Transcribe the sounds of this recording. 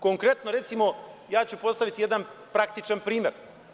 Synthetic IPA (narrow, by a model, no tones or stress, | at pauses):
koŋkɾe̞t̪no̞ɾe̞t̪simo̞jaːt͡ɕupo̞st̪aʋit̪ije̞d̪anpɾak̚t̪it͡ʃanpɾiːmeɾ